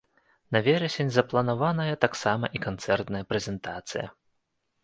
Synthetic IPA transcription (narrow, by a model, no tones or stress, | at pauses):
nɐvʲɛɾɐsʲenʲzɐplˠɐnavanɐjɐt̪aksamɐ̰ʔikant̪sɛrt̪nɐjɐpɾɛzʲɛnt̪at̪sɨjɐ̰